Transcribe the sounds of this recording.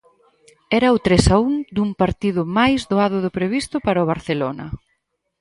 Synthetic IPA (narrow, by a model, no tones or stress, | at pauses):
ɛɾɐʊt̪ɾesauŋd̪uŋpaɾt̪iðʊmajzðoaðʊðʊpɾeβ̞ist̪ʊpaɾɐʊβ̞aɾθelonɐ̰